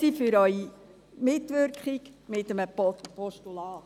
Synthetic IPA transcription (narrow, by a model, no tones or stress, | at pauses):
ifʏɾœɥi | mɪt̪ʋʏrkχiɡmɪt̪əməpɔpɔʃtulɑː